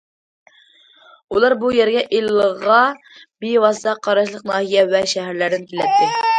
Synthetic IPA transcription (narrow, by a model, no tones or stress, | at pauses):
ulˠɑɾbujɛɾɡʲɛʔilːəʁɑ | bewɑsɨt̪ʰɑqʰɑɾɑʃ̬lˠəq̚nɑːhijɛwɛʃɛɦæɾlæɾd̪ɪnkʲʰelɛt̪ʰːɪ